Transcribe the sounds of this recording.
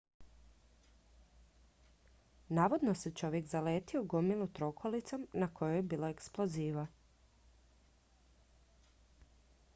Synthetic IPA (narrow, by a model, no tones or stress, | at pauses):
naːʋod̪noset͡ʃo̞ʋje̞kzaleːt̪ioɡo̞milˠut̪ɾo̞kʰolit̪somnakʰo̞jojebiːloeksplo̞ziːʋa